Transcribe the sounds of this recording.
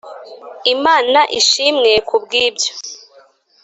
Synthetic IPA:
imaːnaʔiʃimŋe̞kubɡiːbɟo

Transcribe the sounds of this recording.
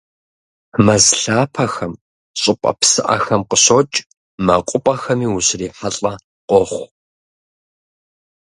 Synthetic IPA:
mɐzɬaːpʰɐxɐm | ɕʼɪpʷʼɐ̰psɨʔɐ̰xɐmqəɕot͡ʃʼ | mɐqʷʼʊpʼɐxɐmiːwʊɕriːħaɬʼɐ | qʷɔχʷ

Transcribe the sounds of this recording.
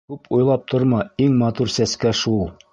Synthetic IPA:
kʉpʰujlˠɑp̚t̪ʰoɾmɑiŋmɑt̪uɾsæskæʃulˠ

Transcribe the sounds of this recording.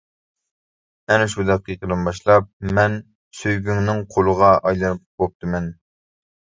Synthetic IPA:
ɛnʃud̪ɛqːiiqəlˠɨnbɑʃlˠɑp̚mɛn | søjɡʲyŋnɪŋqʰolˠəʁɑʔɑjlˠɑnɨp̚bop̚t̪ʰɨmɛn

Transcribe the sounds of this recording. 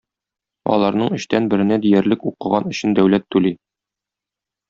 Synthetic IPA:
ɒ̰lˠɑɾnɤɴɘ̆ɕt̪ænbɘ̆ɾɘ̆næd̪ijæɾlɘkuqɤ̆ʁɑnɵ̆ɕɘnd̪æwlæt̪ːʉli

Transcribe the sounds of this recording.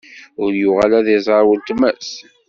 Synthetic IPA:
ʊɾjʊʁalæðizˤəɾˤwəlt̪mæs

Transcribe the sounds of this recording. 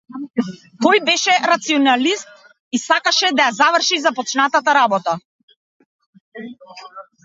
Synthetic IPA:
t̪ɔjbɛʃɛɾat̪siɔnalist̪̚ | isakaʃɛd̪ajazavr̩ʃizapɔt͡ʃnat̪at̪aɾabɔt̪a

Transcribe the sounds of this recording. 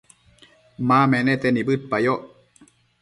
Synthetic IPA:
mamɛnɛt̪enibɯt̪̚pajoʔ

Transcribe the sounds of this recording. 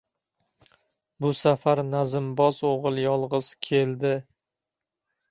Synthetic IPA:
bʊsafaɾnazɪmbɒzoʁɨlˠjɒlˠʁɨz̥kʲʰe̞ld̪ɪ

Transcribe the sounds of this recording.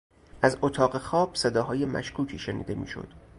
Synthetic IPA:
ʔæzot̪ʰɒːɣe̞xɒːb̥sed̪ɒːɦɒːje̞mæ̰ʃkʰuːcʰiːʃenḭːd̪e̞mḭːʃo̰d̪̥

